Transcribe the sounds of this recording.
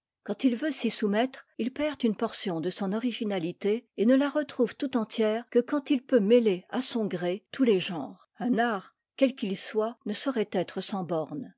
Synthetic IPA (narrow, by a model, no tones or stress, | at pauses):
kɑ̃t̪ilvøsisumɛt̪χilpɛʁt̪ynpɔʁsjɔ̃d̪əsɔ̃nɔʁiʒinalit̪eenəlaʁət̪χuv̥t̪ut̪ɑ̃t̪jɛːʁkəkɑ̃t̪ilpømeleasɔ̃ɡʁet̪ʰuleʒɑ̃ːʁ | ɛ̃naːʁ | kʲɛlkʲilswanəsɔʁɛt̪ɛt̪χəsɑ̃bɔʁn